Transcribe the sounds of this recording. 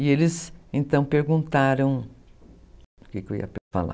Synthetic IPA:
ɪelɪzẽnt̪ɐ̃w̃peɾɡũnt̪aɾɐ̃w̃ | ʊkɪkewḭɐpfa̰la̰

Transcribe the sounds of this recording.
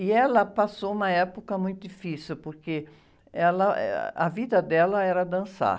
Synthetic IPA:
ɪɛlɐpasoũmɐɛpokɐmũj̃t̪ʊd͡ʒ̪ifisiwpoɾke | ɛlɐɛ̰ɐvid̪ɐd̪ɛlɐɛɾɐd̪ɐ̃sa̰

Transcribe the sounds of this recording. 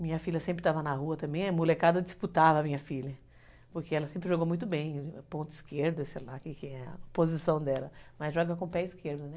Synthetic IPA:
mĩɲɐfilʲɐsẽmpɾɪt̪avɐnɐɦuɐt̪ɐ̃mbẽj̃ɛmulekad̪ɐd͡ʒ̪isput̪avɐmĩɲɐfilɐ | poɾkeɛlɐsẽmpɾɪʒoɡowmũj̃t̪ʊbẽj̃põnt̪ʊiskeɾd̪ʊsejlakɪkɪɛɐ̰pozisɐ̃w̃d̪ɛlɐmɐzʒɔɡɐkõpɛiskeɾd̪ʊnɛ

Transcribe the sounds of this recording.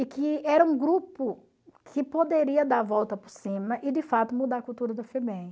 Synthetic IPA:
ɪkɪɛɾɐũɡɾupʊ | kʰɪpod̪eɾiɐd̪aɾvɔwt̪ɐpʊɾsĩmɐʔɪd̪ɪfat̪ʊmud̪aɾkuwt̪uɾɐd̪ʊfebẽ

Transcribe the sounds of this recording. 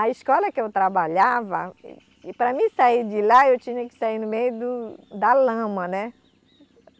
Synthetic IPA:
ɐiskɔlɐkɪewt̪ɾabaʎavɐ̰ | pɾɐmĩsaiɾd͡ʒɪlaewt͡ʃĩɲɐkɪ̥saiɾnʊmejʊd̪ʊd̪ɐlɐ̃mɐnɛ

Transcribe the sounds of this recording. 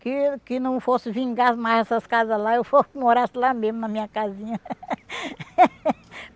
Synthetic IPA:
kɪkɪnɐ̃w̃fosɪvĩŋɡasmajzɛsɐskazɐzlaewfomoɾasɪlamezmʊnɐmĩɲɐkazĩɲɐ

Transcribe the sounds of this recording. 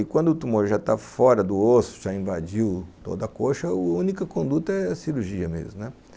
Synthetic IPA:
ɪkwɐ̃nd̪ʊt̪umoɾʒat̪afɔɾɐd̪ʊosʊ̥ʒaĩvad͡ʒiwt̪o̰d̪ɐkoʃɐʊũnikɐkõnd̪ut̪ɐɛɐsiɾuɾʒiɐmḛzmʊnɛ

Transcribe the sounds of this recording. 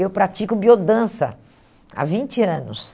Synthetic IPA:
ewpɾat͡ʃikʊbiod̪ɐ̃sɐ̰ | a̰vĩnt͡ʃɪɐ̃nʊs

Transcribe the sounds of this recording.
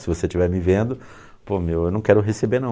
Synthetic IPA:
sɪvoset͡ʃivɛɾmɪvẽnd̪ʊ | pomewewnɐ̃w̃kɛɾʊɦesebeɾnɐ̃

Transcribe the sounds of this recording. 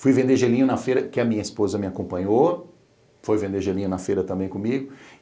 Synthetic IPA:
fujvẽnd̪eʒelĩɲʊnɐfeɾɐkɪɐmĩɲɐispozɐmɪakõmpɐ̃ɲo | fojvẽnd̪eɾʒelĩɲʊnɐfeɾɐt̪ɐ̃mbẽj̃kõmiɡʊ

